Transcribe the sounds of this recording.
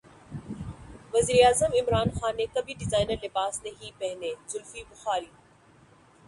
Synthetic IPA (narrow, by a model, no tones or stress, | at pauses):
ʋɐziːɾeaːzəmɪmɾaːnxaːnːekɐbʱiɖɪzaːɪnəɾlɪbaːsnɐɦipɐɦɪ̃nd̪ezʊlfibʊxaːɾiː